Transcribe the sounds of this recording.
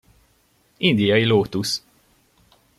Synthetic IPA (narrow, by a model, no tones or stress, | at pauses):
ind̪ijɒjiloːt̪us